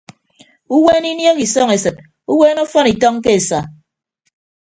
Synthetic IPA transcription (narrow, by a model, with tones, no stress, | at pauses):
u˦weː˦ni˦njɔ˦ki˨sɔː˦ŋe˨sɨ˨t̚ | u˦weː˦no˦fɔ˦ni˨tɔ˦ŋke˦e˨sa˨